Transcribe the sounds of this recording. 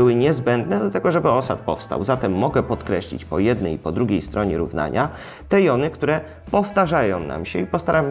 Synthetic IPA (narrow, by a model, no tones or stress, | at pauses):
ɘwɘɲɛzbɛnd̪nɛd̪lat̪ɛɡɔʐɛbɘɔsa̰t̪̚pɔ̰fst̪a̰wzat̪ɛmːɔɡɛpɔt̪kɾɛɕlʲḭt͡ɕpɔjɛd̪nɛjpɔd̪ɾuɡʲejst̪ɾʔɔɲɛɾṵvna̰ɲa | t̪ɛjɔnɘkt̪uɾɛ | pɔft̪aʐajɔ̃w̃na̰mɕɛipɔst̪aɾʔam